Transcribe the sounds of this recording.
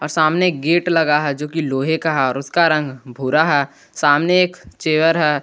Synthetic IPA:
ɔːɾsaːmnekɡeːʈlɐɡaɦɛd͡ʒoːkiloːɦekaɦɛɔːɾʊskaɾɐ̃ŋɡbʱuɾaɦɛː | saːmneeːkt͡ʃeːʋəɾɦɛː

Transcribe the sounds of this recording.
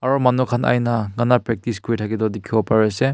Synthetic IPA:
aɾɔmanukʰana̰jnaŋɡanapɾek̚tiskuitʰaɡidɔdikʰːibɔpaɾese

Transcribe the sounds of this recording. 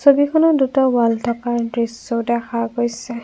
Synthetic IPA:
sobikʰɔnɔdutɔbaltʰɔkaɹdɹisɔdɛkʰaɡojsɛ

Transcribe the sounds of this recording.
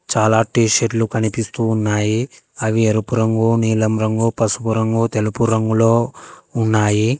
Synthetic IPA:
t͡ʃaːlaːʈiːʃeʈlukɐnipist̪uːnːaːjiɐʋieɾupuɾɐŋɡuniːlɐmɾɐŋɡupɐsupuɾɐŋɡut̪elupuɾɐŋɡuloːunːaːji

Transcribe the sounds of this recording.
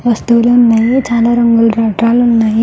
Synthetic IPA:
ʋɐst̪uluːnːaːjet͡ʃaːlaːɾɐŋɡulɾaːʈɾaːlunːaːji

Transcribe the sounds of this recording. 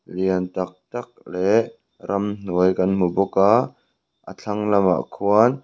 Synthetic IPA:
liənt̪ɐk̚t̪ɐk̚lɛʔ | ɾɐmn̥uəjkɐnm̥ubɔka | ʔə̰t͡ɬʰɐŋlɐma̰ʔkʰuɐn

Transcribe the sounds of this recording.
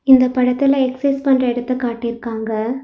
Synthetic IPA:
ɪnd̪ɐpːɐɽɐt̪ːɪlɐɛksɐspɐnrɐɛɽɯt̪ːɐkaːʈːɪɪɾɯkːaːŋɡɐ

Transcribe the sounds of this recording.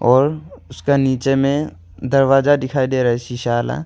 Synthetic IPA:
ɔːɾʊskeniːt͡ʃemẽ | d̪ɐɾwaːzad̪ɪkʰaːid̪eːɾɐɦɛt͡ʃʰiʃaːla̰

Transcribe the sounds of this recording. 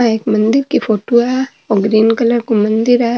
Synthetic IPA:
aeːkmɐ̃nd̪ɪɾkifʰoːʈoa | ɔːɡɾiːnkɐləɾkomɐ̃nd̪ɪɾa

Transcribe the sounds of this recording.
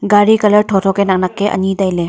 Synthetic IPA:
ɡaɾikɐlɐɾtʰɔtʰɔkenaŋ̚nakːeʔɐ̰nidajle

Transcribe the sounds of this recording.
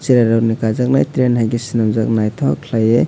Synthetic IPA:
t͡ʃiɾaɾawnikazak̚najtɾenhajɡisinamzak̚najtʰɔkʰlaje

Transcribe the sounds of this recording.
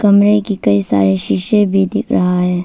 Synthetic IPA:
kɐmɾekikɐisa̰ːɾeʃɪʃebʱid̪ɪkʰɾɐɦaɦɛː

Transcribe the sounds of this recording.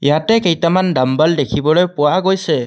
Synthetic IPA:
jatɛkɛjtamandambaldekʰibɔlojpʊwaɡojsɛ

